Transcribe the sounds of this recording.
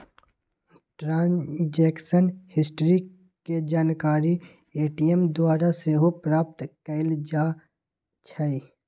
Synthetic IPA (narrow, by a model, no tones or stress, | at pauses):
ʈɾãːnd͡ʒeːkʃənhɪsʈɾi | ked͡ʒaːnkaːɾi | eːʈijemd̪waːɾaseɦopɾaːp̚t̪kəɪld͡ʒaː | t͡ʃʰai